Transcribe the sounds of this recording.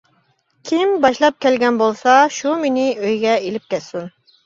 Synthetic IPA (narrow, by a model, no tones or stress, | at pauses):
kʲʰimbɑʃlˠɑp̚kʲɛlɡʲɛnbolˠsɑʃumenɪøjɡʲɛelɪp̚kʲɛt̪sun